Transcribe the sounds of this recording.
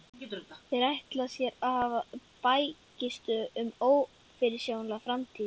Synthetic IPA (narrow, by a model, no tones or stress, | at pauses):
θɛɾajht̪lasjɛɾahavapajcɪst̪ʏʏmoːw | fɪɾɪ̥sjownlaɣfɾamt̪ʰiːð